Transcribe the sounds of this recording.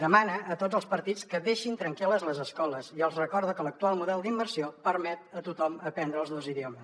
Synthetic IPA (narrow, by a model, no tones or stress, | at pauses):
d̪əmanəʔːt̪od͡zəlˠspəɾt̪it͡skəðeʃint̪ɾəŋkeləzləzəskɔləziəlˠzrəkɔɾðukələk̚t̪ualˠmuðɛlˠd̪imbəɾsiopəɾmɛt̪̚ət̪ut̪ɔməpɛnd̪ɾəːlˠznowziðiɔməs